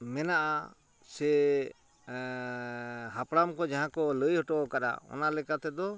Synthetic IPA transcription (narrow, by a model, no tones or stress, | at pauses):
mɛnaʔa | sɛ | ɦapɽamkɔd͡ʒaɦãkɔləjhɔʈɔʔɔkaɗa̰ɔ̰nalɛkat̪ɛd̪ɔ